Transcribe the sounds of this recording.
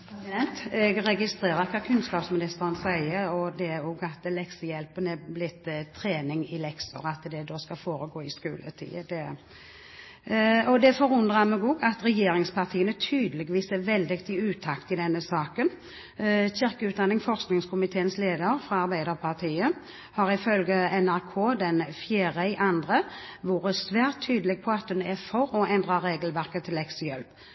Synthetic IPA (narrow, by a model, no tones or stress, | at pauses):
ɛnt̪ɛɡɾɛɡɪst̪ʁeːɾəʁkʰɑːkʰʉnskɑːpsmɪnɪst̪əɾənsæɪəɾɔd̪ɛæɾoːɡɑt̪lɛksəjɛlpənɛblɪt̪ːt̪ʰːɾeːnɪŋɪlɛksə̰ʁɑt̪d̪ɛd̪oːskɑfoːɾəɡoːɪskʉːlʔə̰t̪ʰḭːəd̪ɛ | ɔd̪ɛfɔɾʉnd̪ʁɑmɛɡɔɡɑt̪ʁɛjeːɾɪŋspʰɑʁt̪ʰiːənət̪ʰyːd̪əlɪɡʋiːsɛʋɛld̪ɪkt̪ʰɪʉːt̪ʰɑkt̪ɪd̪ɛnːəsɑːkən | çɪʁkəʉːt̪̚d̪ɑnːɪŋfɔʁsknɪŋskʰʊmɪt̪ʰeːənsleːd̪əɾfʁɑɑʁbæɪd̪əʁpʰɑʁt̪ʰiːə | hɑɾɪfœlɡəɛnæʁkʰoːd̪ɛnfjeːɾəɪʔɑnd̪ʁəʋuːɾəsʋæːʁt̪ʰːyːd̪əlɛɡ̚pʰɔɑt̪̚dʉnæfɔɾɔɛnd̪ʁəɾeːɡəlʋæʁkət̪ʰːɪlɛksəjɛlp